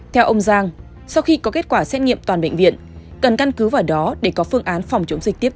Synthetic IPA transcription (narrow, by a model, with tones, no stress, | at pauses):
t̪ʰɛ˧wʔə˧wŋ͡mzaː˧ŋ | sa˧wxi˧kɔ˨˦ke˦˥t̚kwaː˧˩sɛ˦˥t̚ŋḭ˧˨əmt̪waː˨˩nɓə̰˧˨ŋ̟vḭ˧˨ənkə˨˩nka˧nkɨ˨˦vaː˨˩wɗɔ˨˦ɗe˧˩kɔ˨˦fɨ˧əŋʔaː˨˦nfa˨˩wŋ͡mt͡ɕə˨˦wŋ͡mzi̟˨˩t̪i˦˥p̚